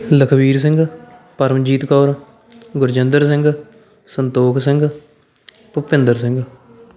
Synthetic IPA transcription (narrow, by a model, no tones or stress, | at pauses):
ləkʰbiːɾs̬ɪ̃ŋɡ | pəɾəmd͡ʒiːt̪kɔːɾ | ɡʊɾd͡ʒɪnd̪əɾs̬ɪ̃ŋɡ | sənt̪oːkʰsɪ̃ŋɡ | pʊpɪ̃nd̪əɾsɪ̃ŋɡ